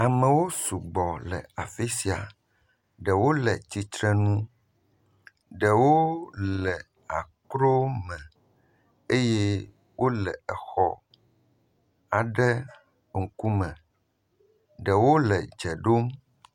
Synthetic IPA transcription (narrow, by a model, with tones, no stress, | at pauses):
a˨mə̃˨wo˦su˨ɡ͡bɔ˨lɛ˨a˨fi˦si˨a̰˨ | ɖə˨wo˦lɛ˨t͡ɕi˨t̪ɾɛ˦nũ˦ | ɖə˨wo˦lɛ˨ | a̰˨kɾo˦mɛ̃˨ | e˦jɛ˦ | wʔo˦lɛ˨ɛ˨xɔ̰˦˨ | a˨ɖɛ˦ | ŋ̩˨ku˦mɛ̃˨ | ɖə˨wo˦lɛ˨d͡ʒɛ˨ɖo˦m